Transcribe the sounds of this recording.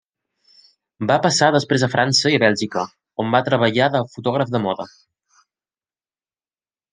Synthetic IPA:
bapəsaðəspɾezəfɾʔansəiəβɛlˠʲʒikə | ombat̪ɾəβəʎaðəfut̪ɔɣ̞ɾəfd̪əmɔðə

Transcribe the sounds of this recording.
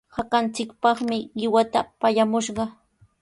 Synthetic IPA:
hakant͡sɪkpɑχmɪɢɪwat̪apaʎamʊʃɢɑ

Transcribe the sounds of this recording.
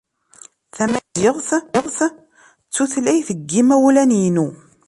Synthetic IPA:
θæmæzɪʁθʁθ | t͡sːuθlæjθəɡːimæwlænjinu

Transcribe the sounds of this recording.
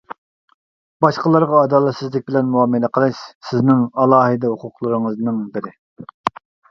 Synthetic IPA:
b̥ɑʃqəlˠɑɾʁɑːd̪ɑːlˠɛt̪sɪzlɪk̚ʲbɪlɛnmuɑːmɨlɛqʰəlˠɨʃsɪznɪŋɑlˠɑːɦɨd̪ɛhʊqʰʊqlˠɨɾɨŋəznɨŋbɪɾɪ

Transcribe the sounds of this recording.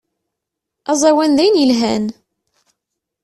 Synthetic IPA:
æzˤæwænðæjnjəlɦæn

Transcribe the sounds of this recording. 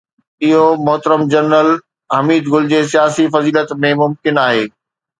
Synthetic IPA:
ɪɦomʊɦt̪əɾəmd͡ʑɐɾnəl | ɦɐmiːd̪ɡʊld͡ʑeːs̬ijaːsifɐziːlət̪mẽmʊmkɪnaːɦeː

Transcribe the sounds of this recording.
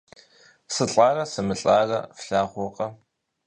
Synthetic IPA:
sɨɬʼaːrɐsɨmɨɬʼaːrɐfɬaːχʷɔqʼɐ

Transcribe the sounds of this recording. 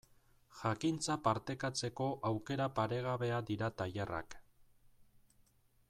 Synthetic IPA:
ʝakint͡sapaɾt̪e̞kat͡se̞ko̞ʔawke̞ɾapaɾe̞ɣ̞aβe̞ad̪iɾat̪ajera̰k

